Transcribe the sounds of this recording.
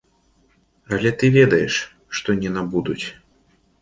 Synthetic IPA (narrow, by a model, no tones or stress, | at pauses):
alʲɛt̪ɨvʲɛd̪ɐjɛʂ | ʂt̪ɔnʲɛnabud̪ut͡sʲ